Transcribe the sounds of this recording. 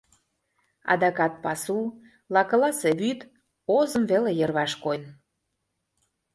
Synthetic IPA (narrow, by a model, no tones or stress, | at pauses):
ɑ̰d̪ɑkɑt̪̚pɑsu | lɑkɤlɑseβyt̪ | ozəmvelejɤrβɑʃkojn